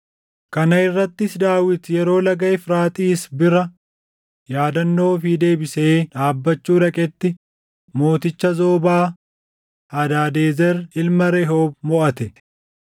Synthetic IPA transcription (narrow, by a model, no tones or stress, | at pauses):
kɐnɐɪrːɐt̪ːɪsd̪aːwɪt̪jɛɾo̞ːlɐɡɐjfɾaːt̪ʼiːsbɪɾɐ | jaːd̪ɐnːo̞ːfid̪e̞ːbɪseːᶑaːbːɐt͡ʃːuːɾɐkʼɛt̪ːɪ | mo̞ːt̪ɪt͡ʃːɐzo̞ːbaː | hɐd̪aːd̪eːzɛɾɪlmɐɾɛɦoːbmɔʔɐt̪ɛ